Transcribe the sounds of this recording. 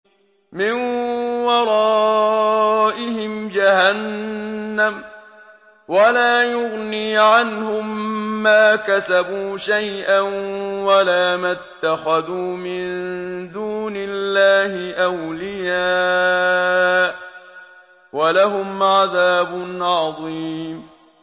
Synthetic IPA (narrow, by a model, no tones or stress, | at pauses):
mɪnwɑɾˤɑː | ʔɪhɪmd͡ʒahanː | am | walaːjʊɣniːʕanhʊmːaːkasabuːʃajʔanwalaːmat̪ːaxaðuːmɪnd̪uːnɪlːaːhɪʔawlɪjaː | ʔ | walaɦʊmʕaðaːbʊnʕɑðˤiːm